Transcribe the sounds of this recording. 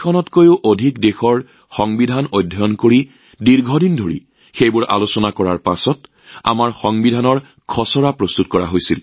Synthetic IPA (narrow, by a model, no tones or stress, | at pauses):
kʰɔnɔtkojʊʔodʱikdexɔɹ | xɔŋbidʱanojdʱːɔjɔnkoɹi | diɹɡʱɔdindʱoɹḭ | xejbʊɹʔa̰losɔnakɔɹaɹpasɔt | a̰maɹxɔŋbidʱanɔɹ | kʰɔsɔɹapɹost̪utkɔɹa̰ɦojsil